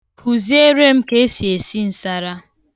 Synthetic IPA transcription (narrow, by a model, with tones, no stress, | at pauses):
kʰu˨zi˦e˦ɾe˦m̩˦ke˦e˦si˨e˨si˦n̩˦sa˦ɾa˦